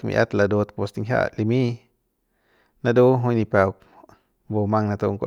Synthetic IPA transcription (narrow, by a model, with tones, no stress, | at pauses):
kmḭ˧ʔa̰˦t̪la˧d̪o˧t̪po˧st̪i˧ŋɦʲja̰˧ʔli˧mĩ˦ | na˧d̪o˦ɦõ˧jni˧pa˧wk | bo˧mã˧ŋna˧t̪o˧ŋko̰˧